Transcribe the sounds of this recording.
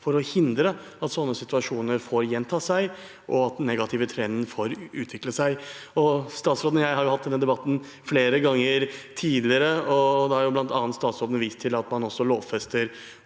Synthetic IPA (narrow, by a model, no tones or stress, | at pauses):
fɔɾɔhɪnd̪ɾə | ɑt̪sɔnːəsɪt̪ʉɑʂuːnəɾfoːɾjɛnt̪ʰɑːsæɪ | ʔɔɑt̪̚d̪ɛnːɛɡɑt̪ʰɪʋət̪ʰɾɛnd̪ən̩foːɾʉːt̪ʋɪkləsæɪɔst̪ɑːt̪sɾoːd̪ənjæɪhɑɾjʊhɑt̪̚d̪ɛnːəd̪ɛbɑt̪ːn̩ | fleːɾəɡɑŋːəɾt̪ʰiːd̪lɪəɾəɔd̪ɛhɑɾjʊblɑnt̪ɑːnt̪st̪ɑːt̪sɾoːd̪ənʋiːst̪ʰːɪlɑt̪mɑnɔsːɔloːʋfɛst̪əɾ